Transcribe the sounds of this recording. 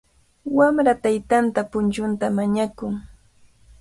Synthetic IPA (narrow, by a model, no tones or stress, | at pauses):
wamɾat̪ajt̪ant̪apʊnt͡ʃʊnt̪amaɲakʊŋ